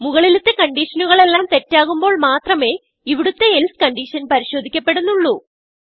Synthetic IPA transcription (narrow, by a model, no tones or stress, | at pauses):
muɣɐɭilut̪ːekɐɳɖiʂɐnuɣɐɭe̞lːaːmt̪e̞tːaːɣumbo̞ːɭmaːt̪rɐme̞ː | iʋiɽut̪ːe̞elskɐɳɖiɕɐnpɐɾiɕo̞ːd̪ʱikʲːɐpːe̞ɽunːuɭːu